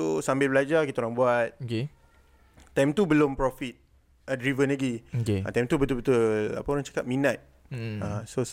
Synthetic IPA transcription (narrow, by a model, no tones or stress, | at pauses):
sosambɪlbəlad͡ʒakit̪aoɾaŋbuat̪̚oke | t̪ajmt̪ubəlompɾɔfit̪̚ | ədɾivənlaɡioeã̰t̪ajmt̪ubət̪ulbət̪ulla̰paoɾãŋt͡ʃḁkap̚mĩnat̪̚ | asos